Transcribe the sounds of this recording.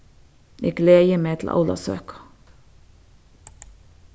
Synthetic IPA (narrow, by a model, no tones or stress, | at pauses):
eːɡleːjəmeːt̪ʰl̩ʔɑ̰ʊlɑ̰sø̰ːkɑ̥